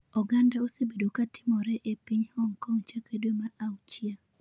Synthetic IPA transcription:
ɔɡandaosebedokatɪ̥mɔɾɛʔepiɲhɔŋkɔŋt͡ʃakɾedomaɾawt͡ʃia

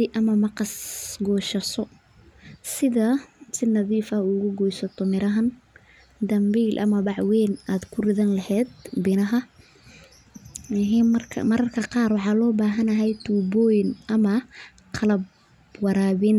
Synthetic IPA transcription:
ɪʔɐmɐmɑqɑsɡɔːʃɐsɔ | sɪðɐsɪnːɐðiːfɐʊɣʊɡɔjsɔt̪ʰɔmɪɾɐɦɐn | d̪ɐmbiːlʔɐ̰mɐbɑʕwɛːnaːd̪kʰʊrɪðɐnlɐhɛːd̪̚bɪnɐɦɐ | ɦɛɐrkʰmɐɾɐrkʰɐqɑːrwɑħɑːlɔːbaːɦɐnɐɦɛjt̪ʰuːbɔːjnʔɐmɐ | qʰɑlɐb̚ | wɑɾaːβɪn

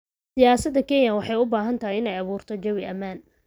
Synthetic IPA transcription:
sɪjaːsɐd̪ːɐkʰɛnjɐwɑħɑjʊbaːɦɐnt̪ʰɐɦijɪnɛjɐβuːrt̪ʰɔd͡ʒɐwɪɐmaːn

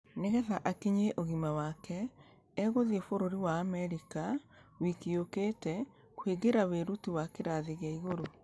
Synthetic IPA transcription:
neɣɛðaʔakiɲeʔoɣimawaːkɛ | ɛɣoðiefoɾoɾiwaːmɛɾika | wikioketɛ | kweɡeɾaweɾutiwakeɾaðeɣeaiɣoɾo

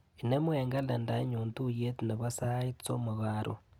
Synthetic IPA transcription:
inemweːŋɡalandaɲuːntujetineβasaait͡st͡somuɣaːɾʔo̰

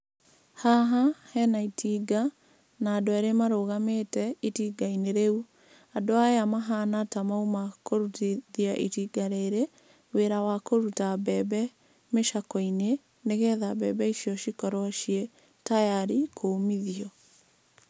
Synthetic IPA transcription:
haɦahɛnaitʰiːɡa | naːdoeɾemaɾoɣametɛitiɡaineɾeu | adoajamaɦanatamaumakoɾutiðiaʔitiɡaɾeɾe | weɾawakoɾutabɛbɛ | meʃakɔine | neɣɛðabɛbɛiʃiɔʃikɔɾɔʃiɛ | tajaɾikʰomiðiɔ

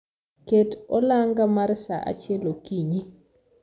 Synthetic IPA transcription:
ketɔlaŋɡamarsa̰ʔa̰t͡ʃjɛlokiɲi

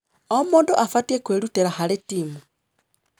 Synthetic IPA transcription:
omoːndoʔafatiekweɾuteɾahaɾetiːmu

